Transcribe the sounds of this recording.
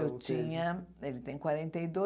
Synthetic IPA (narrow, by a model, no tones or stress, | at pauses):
ewt͡ʃĩɲɐelɪt̪ẽj̃kwaɾẽnt̪ejd̪o